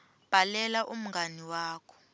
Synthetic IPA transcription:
b̥ʱalɛlaʔum̩ŋɡaniwaːkʰɔ̥

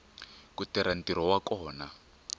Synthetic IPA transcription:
kutɛɾan̩tiɾɔwakɔːna

